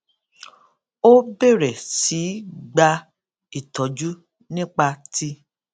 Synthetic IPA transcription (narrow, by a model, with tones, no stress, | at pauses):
o˦be˦˨ɾɛ˨si˨˦ɡ͡ba˧ | i˦˨tɔ˨d͡ʒu˦ | nĩ˦k͡pa˧tʰi˦